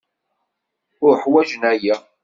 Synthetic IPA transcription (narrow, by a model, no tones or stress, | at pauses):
ʊɾħwæʒənæjæ